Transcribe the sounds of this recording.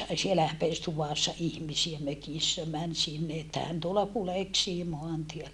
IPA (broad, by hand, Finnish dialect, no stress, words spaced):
sielæ hæpeˑs tuʋɑˑsːɑ ihmisiæ møkisːæ mæn sinːe etːæ hæn tuolɑ kuleksiː moɑntielːæ